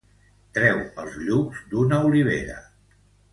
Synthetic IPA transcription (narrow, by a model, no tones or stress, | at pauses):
t̪ɾɛwəlˠzʎukzd̪unəuliβ̞ḛɾə̰